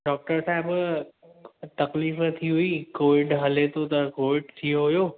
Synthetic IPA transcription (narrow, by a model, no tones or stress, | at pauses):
ɖɔːk̚ʈəɾsaːɦɪb | t̪ɐkliːft̪ʰiɦuiːkoːʋɪɖɦɐlet̪ʰot̪ɐkoːʋɪɖt̪ʰijoɦʊjoː